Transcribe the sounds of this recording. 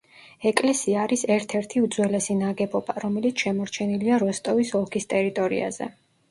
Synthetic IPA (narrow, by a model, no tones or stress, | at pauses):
ɛkʼlɛsiaːɾisɛɾt̪ʰɛɾt̪ʰiud̪zwɛlɛsinaɡɛbɔbaɾɔmɛlit̪sʰʃɛmɔɾt͡ʃʰɛniliaɾɔst̪ʼɔvisɔlˠkʰist̪ʼɛɾit̪ʼɔɾḭa̰zɛ̰